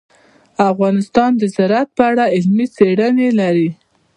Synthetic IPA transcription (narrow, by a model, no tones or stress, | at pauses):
afɣɑnɪst̪ɑnd̪əzaɾat̪̚pəaɽaɪlmit͡seɽənelaɾi